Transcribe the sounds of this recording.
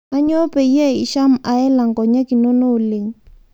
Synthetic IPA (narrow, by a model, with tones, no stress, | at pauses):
a˦ɲo˦pe˨i˦e˦i˨ʃa˦m̩˦a˨ɛ˦la˨ŋ̩˨kɔ˨ɲa˦ki˨no˦noː˦le˨ŋ̩˦